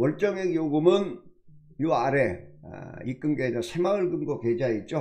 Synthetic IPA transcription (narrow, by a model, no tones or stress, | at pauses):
wʌɭt͡ɕ͈ʌŋeɡjoɡumɯn | juaɾḛ | ik͈ɯmɡed͡ʑʌsʰemaɯɭkɯmɡoked͡ʑait̚t͡ɕ͈o